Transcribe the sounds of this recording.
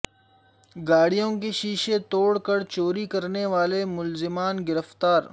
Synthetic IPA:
ɡaːɽijõkeʃiːʃet̪oːɽkəɾt͡ʃoːɾikɐɾneʋaːlemʊlzɪmaːnɡɪɾəft̪aːɾ

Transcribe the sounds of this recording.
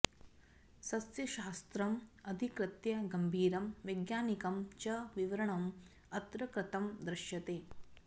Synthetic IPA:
sɐsjɐʃaːst̪ɾɐmɐd̪ʱikɾɪt̪jɐɡɐmbʱiːɾɐmʋɐjɡjaːnikɐmt͡ʃɐʋiʋɐɾɐɳɐm | ɐt̪ɾɐkɾɪt̪ɐmd̪ɾɐʃjɐt̪eː

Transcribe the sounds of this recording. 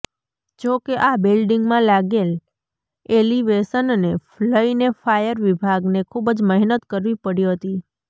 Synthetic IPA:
d͡ʒokeʔabilɖiŋɡmãlaɡel | eliʋesənnefləinefajəɾʋibʱaɡnekʰubəd͡ʒməɦnət̪kəɾʋipəɽiɦət̪i

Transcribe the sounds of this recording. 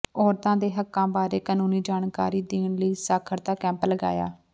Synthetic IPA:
ɔːɾt̪ãːd̪eːɦəkːãːbaːɾeːkaːnuːniːd͡ʒaːɳkaːɾiːd̪eːɳləiːsaːkʰəɾt̪aːkɛ̃ːmpləɡa̰ːja̰ː

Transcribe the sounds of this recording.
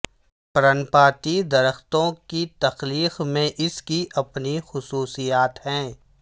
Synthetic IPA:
pɐɾənpaːt̪id̪ɐɾəxt̪õkit̪ɐxliːxmẽʔɪskiʔɐpnixʊsuːsijaːt̪hɛ̃ː

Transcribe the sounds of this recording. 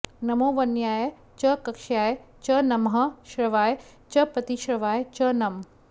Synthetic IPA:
nɐmoːʋɐnjaːe | t͡ʃɐkɐkʃjaːe | t͡ʃɐnɐmɦɐʃɾɐʋaːe | t͡ʃɐpɐt̪iʃɾɐʋaːet͡ʃɐnɐm

